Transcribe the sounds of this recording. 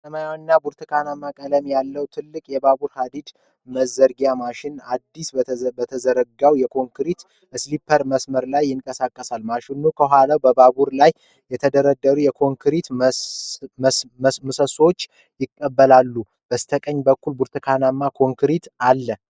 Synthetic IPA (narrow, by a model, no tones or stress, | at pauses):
səmajawnːabuɾt̪ʰɨkʰanamːakʼələmjalːəwt̪ʰɨlːɨkʼjɛbabuɾhad̪id̪ | məzːəɾɡjamaʃɪnad̪ːisbət̪ʰəzəɾəɡawjɛkʰo̞ŋkɾit̪ | ʔɨslipʰːəɾməsməɾlajːɪŋkʼəsakʼːəsalmaʃɪnukʰəɦʷalawbəbabuɾlaj | jɛt̪ʰəd̪əɾəd̪ːəɾujɛkʰo̞ŋkʰɾit̪ | mɨsəso̞t͡ʃː | jɪkʼːəbːəlalːu | b̥əst̪ʰəkʼəɲːbəkːulbuɾt̪ʰɨkʰanamːakʰo̞ŋkɾit̪alːə